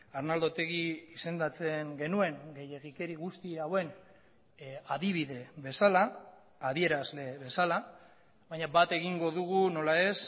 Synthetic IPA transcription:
aɾnald̪o̞t̪e̞ɣiise̞nd̪at͡se̞ŋɡe̞nue̞ŋɡe̞je̞ɣike̞ɾiɣust̪iawe̞n | aðiβ̞iðe̞βe̞salaː | ðie̞ɾazle̞βe̞sala | βajɲabat̪e̞ɣ̞iŋɡo̞ðuɣ̞uno̞lae̞s

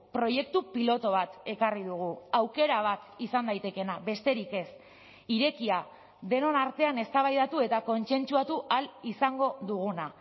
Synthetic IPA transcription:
pɾo̞je̞kt̪upilo̞t̪o̞β̞at̪e̞kariðuɣ̞uawke̞ɾaβ̞at̪isand̪ajt̪e̞ke̞naβe̞st̪e̞ɾike̞s | iɾe̞kia | ðe̞no̞naɾt̪e̞ane̞st̪aβajðat̪ue̞t̪ako̞nt͡se̞nt͡suat̪uʔalisaŋɡo̞ðuɣ̞una

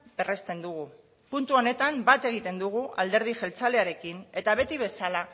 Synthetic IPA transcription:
be̞re̞st̪e̞nd̪uɣ̞u | punt̪uo̞ne̞t̪ambat̪e̞ɣ̞it̪e̞nd̪uɣ̞uald̪e̞ɾð̞iʝe̞lt͡sale̞aɾe̞kine̞t̪aβ̞e̞t̪iβ̞e̞sala

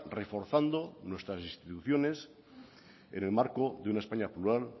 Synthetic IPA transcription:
refo̞ɾθand̪onwest̪ɾasĩnst̪it̪uθjones | ḛnelmaɾkoðeunaespaɲapluɾal

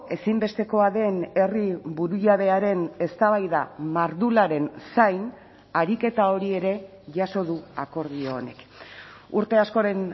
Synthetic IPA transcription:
e̞simbe̞st̪e̞ko̞aðe̞ne̞ribuɾujaðe̞aɾe̞ne̞st̪aβ̞ajðamaɾðulaɾe̞nsajn | aɾike̞t̪ao̞ɾie̞ɾe̞ | ʝaso̞ðuako̞ɾðio̞ːne̞k | uɾt̪e̞asko̞ɾe̞n

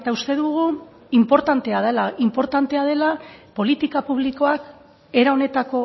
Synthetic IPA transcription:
et̪aust̪e̞ðuɣu | impo̞ɾt̪ant̪e̞aðelaimpo̞ɾt̪ant̪e̞að̞e̞lapo̞lit̪ikapuβ̞liko̞ak | e̞ɾao̞ne̞t̪ako̞

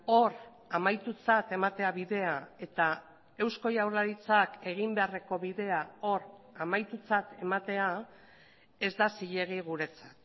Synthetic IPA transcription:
o̞ɾ | amajt̪ut͡sat̪e̞mat̪e̞aβiðe̞ae̞t̪a | e̞wsko̞jawrlaɾit͡sake̞ɣ̞imbe̞are̞ko̞βiðe̞ao̞ɾamajt̪ut͡sat̪e̞mat̪e̞a | e̞zd̪asiʎe̞ɣ̞iɣ̞uɾe̞t͡sḁt̪

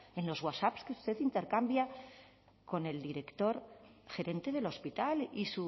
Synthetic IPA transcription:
e̞nlo̞zɣwasapskeust̪e̞ðint̪e̞ɾkambja | ko̞ne̞ld̪iɾe̞kt̪o̞ɾxe̞ɾe̞nt̪e̞ð̞e̞lo̞spit̪alisu

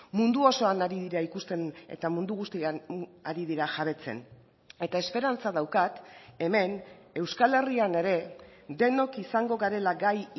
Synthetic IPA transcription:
mund̪uo̞so̞anaɾiðiɾaikust̪e̞nḛt̪amund̪uɣust̪ianaɾiðiɾaʝaβ̞e̞t͡se̞̰n | e̞t̪ae̞spe̞ɾant͡saðawkat̪e̞me̞ne̞wskale̞riane̞ɾe̞d̪e̞no̞kisaŋɡo̞ɣaɾe̞laɡaj

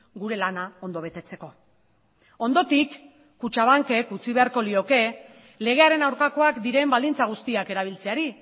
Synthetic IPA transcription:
ɡuɾe̞lanao̞nd̪o̞β̞e̞t̪e̞t͡se̞ko̞ | o̞nd̪o̞t̪ikː | ut͡ʃaβ̞aŋke̞kut͡siβ̞e̞aɾko̞lio̞ke̞ | le̞ɣ̞e̞aɾe̞nawɾkako̞akd̪iɾe̞mbald̪int͡saɣ̞ust̪iake̞ɾaβ̞ilt͡se̞aɾi

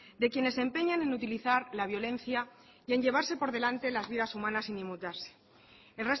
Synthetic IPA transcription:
d̪e̞kje̞ne̞se̞mpe̞ɲane̞nut̪iliθaɾlaβ̞jo̞le̞n̟θja | ie̞ɲʝe̞β̞aɾse̞po̞ɾðe̞lant̪e̞lazβiðasumãnasinimut̪aɾse̥ | elre̞s

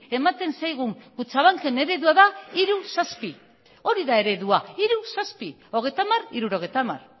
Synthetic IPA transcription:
e̞mat̪e̞nsajɣ̞uŋkut͡saβaŋke̞ne̞ɾe̞ðuaðaiɾusaspi | o̞ɾiðae̞ɾe̞ðuaiɾusaspi | o̞ɣ̞e̞jt̪amariɾuɾo̞ɣ̞ejt̪ama̰r

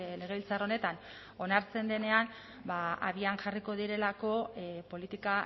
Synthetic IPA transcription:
le̞ɣ̞e̞βilt͡saro̞ne̞t̪an | o̞naɾt͡se̞nd̪e̞ne̞an | baaβiaŋʝariko̞ð̞iɾe̞lako̞po̞lit̪ika

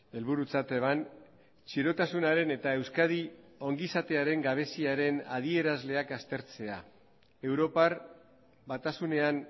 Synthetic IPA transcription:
e̞lβuɾut͡sat̪e̞man | t͡ʃiɾo̞t̪asunaɾe̞ne̞t̪ae̞wskað̞io̞ŋɡisat̪e̞aɾe̞ŋɡaβ̞e̞siaɾe̞na̰ð̞ie̞ɾazle̞akast̪e̞ɾt͡se̞a̰ | e̞wɾo̞par | bat̪asune̞an

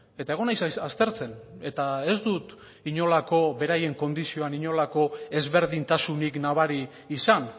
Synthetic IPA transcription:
e̞t̪ae̞ɣ̞o̞najsast̪e̞ɾt͡se̞ne̞t̪ae̞zd̪ut̪ | iɲo̞lako̞βe̞ɾaje̞ŋko̞nd̪isio̞aniɲo̞lako̞e̞zβe̞ɾðint̪asuniknaβ̞aɾiː | san

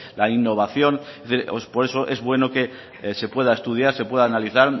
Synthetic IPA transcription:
lainːo̞β̞aθjo̞neθiɾospo̞ɾeso̞ʔe̞zβwe̞no̞ke̞ | se̞pwe̞ð̞aest̪uð̞jaɾse̞pwe̞ðaːnaliθaɾ

